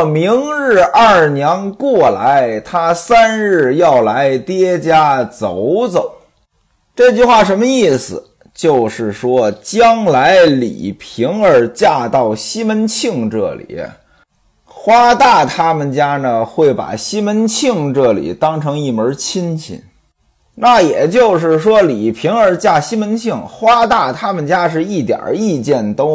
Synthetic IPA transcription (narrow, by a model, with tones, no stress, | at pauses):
mi˧˥ŋɻ̩˥˧ʔɐ˥˩njɛ˧˥nkwɔ˥˩la˧˥ɪt̪ʰa˥sa˥nɻ̩˥˧jɑ˥˩ʊla˧˥ɪt̪jɛ˥t͡ɕja˥t͡so˨˩ʊt͡so˨˩˦ʊ | ʈ͡ʂɤ˥˧t͡ɕy˥˧xwa˥˩ʂ̬ə˧˥nmə˧i˥˩sɹ̩˩ | t͡ɕjo˥˧ʊʂɻ̩˥˩ʂwɔ˥t͡ɕjɑ˥ŋla˧˥ɪlḭ˨˩pʰi˧˥ŋə˞˧˥t͡ɕja˥˧t̪ɑ˥˩ʊɕi˥mə˧˥nt͡ɕʰi˥˧ŋʈ͡ʂɤ̰˥˩lḭ˨˩˦ | xwa˥t̪a˥˩t̪ʰa˥mə˨nt͡ɕja˥nə˨xwe˥˩ɪpa̰˨˩ɕi˥mə˧˥nt͡ɕʰi˥˧ŋʈ͡ʂɤ˥˩lḭ˨˩t̪ɑ˥ŋʈ͡ʂʰɤ˧˥ŋi˥˩mə˞˧˥t͡ɕʰi˥nt͡ɕʰḭ˧˩˦n | na˥˩jɛ˨˩t͡ɕjo˥˧ʊʂ̬ɻ̩˥˩ʂwɔ˥li˨˩pʰi˧˥ŋə˞˧˥t͡ɕja˥˩ɕi˥mə˧˥nt͡ɕʰi˥˩ŋxwa˥t̪a˥˩t̪ʰa˥mə˨nt͡ɕja˥ʂ̬ɻ̩˥˧i˥˩t̪jɑ̰˨˩i˥˧t͡ɕjɛ˥˩nt̪o˥ʊ